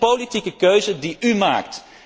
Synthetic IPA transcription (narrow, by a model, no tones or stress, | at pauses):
politikəkøɥzədiyma̰ːkt